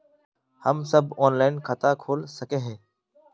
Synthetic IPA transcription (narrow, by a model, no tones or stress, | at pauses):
həmsəbʱoːnlaːɪnkʰət̪aːkʰoːlsəkeːɦeː